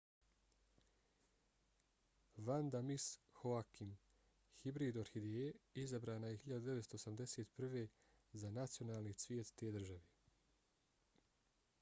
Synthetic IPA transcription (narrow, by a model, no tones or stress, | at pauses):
ʋand̪amishoakim | hibɾiːd̪oɾxid̪eeizabɾaːnajehiʎad̪ud̪eʋet̪st̪oːsamd̪eseːt̪pr̩ʋe̞ | zanat̪sijo̞naːlˠnisʋjeːt̪ːed̪r̩ʒaʋe